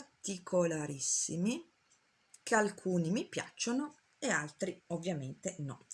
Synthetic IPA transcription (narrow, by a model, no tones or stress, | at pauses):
t̪ikʰolaɾisːimi | kʰealkʰuːnimipja̰t͡ʃːono | ealt̪ɾiovːjament̪enɔ̰